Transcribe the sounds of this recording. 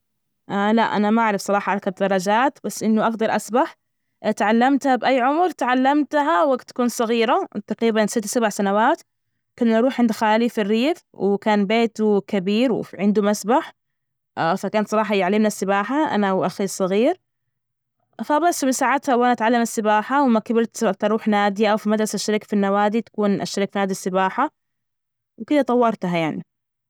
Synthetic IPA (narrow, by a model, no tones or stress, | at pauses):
ʔala̰ʔa̰namaʔaʕɾɪfsˤɑɾˤɑːħɑʔɑɾˤkabd̪ɑɾˤɑd͡ʒaːt̪basːʔɪnːʊʔaɡd̪ɑɾˤʔasbaħ | t̪ʕalːamt̪habʔajːʕʊmɾt̪ʕalːamt̪ɦawaɡt̪ːḁkuːnsˤɑɣiːɾat̪aqɾiːbansɪt̪ːsabaʕsanawaːt̪ | kʊnːʔɑɾˤuːħʕɪnd̪xaːlifɪrːiːf | wɪkaːnbeːt̪ukabiːɾw̰ʕɪnd̪umasbaħ | fakaːnat̪sˤɑɾˤɑːħɑjɪʕalːɪmnasːɪbaːħaʔa̰nawʔaxisˤːɑɣiːɾ | fabasːmɪsaːʕat̪hawʔanaʔat̪ʕalːamasːɪbaːħawɪmakabɪɾt̪at̪ɑɾˤuːħnaːd̪iʔawfimad̪ɾˤɑsaʃːaɾiːkḁfinːawaːd̪it̪ḁkuːnʔa̰ʃːaɾikfinaːd̪isːɪbaːħa | wkɪd̪at̪ˤɑwːɑɾˤt̪ɦajaʕni